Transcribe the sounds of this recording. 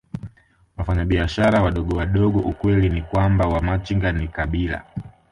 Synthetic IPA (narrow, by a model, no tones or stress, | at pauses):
wafaɲaɓiaʃaɾawaɗɔɠɔwaɗɔɠɔʔukwɛlinikwambawamat͡ʃiŋɡanikaɓila̰